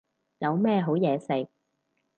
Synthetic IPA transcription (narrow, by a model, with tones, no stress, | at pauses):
jɐ˨˧wmɛː˥˧ɦo˨˥wjɛː˨˧sɪ˨k̚